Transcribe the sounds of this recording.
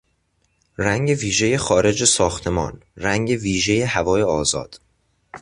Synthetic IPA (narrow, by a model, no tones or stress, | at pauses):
ræŋɟeviːʒe̞je̞xɒːɾe̞d͡ʒesɒːxt̪ʰe̞mɒ̰ːnræŋɟe̞viːʒe̞jehævɒːje̞ɒːzɒ̰ːd̪̥